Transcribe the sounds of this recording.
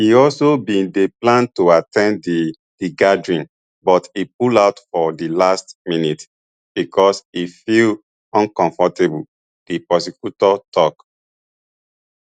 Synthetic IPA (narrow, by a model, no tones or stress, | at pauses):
hiɔlsobĩndeplãntuatʰɛ̃n | d̥iɡadɹĩn | bɔtip̚ulaʊtfɔdilastminit | b̥ikʰɔsifil | ɔ̃nkɔ̃ɱfɔtebu | d̥ipɔsikutɔtʰɔk